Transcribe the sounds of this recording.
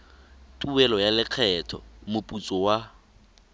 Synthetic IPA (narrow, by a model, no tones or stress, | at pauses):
tʼuɛlɔjalɪq͡χʰɛtʰɔ̰mʊpʼut͡sʼɔwa